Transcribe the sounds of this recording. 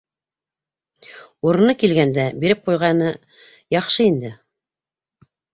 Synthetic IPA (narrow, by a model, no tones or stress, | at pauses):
uɾɤ̆nɤkilɡænd̪æbiɾɘp̚qujʁɑnɤ | jɑχʃɤind̪ɘ